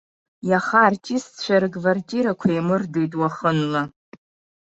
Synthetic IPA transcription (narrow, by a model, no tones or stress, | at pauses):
jaχart͡ʃʼist͡ɕʷʰaɾɨɡvartʼiɾakʷʰajmɨrdejtʼwaχənla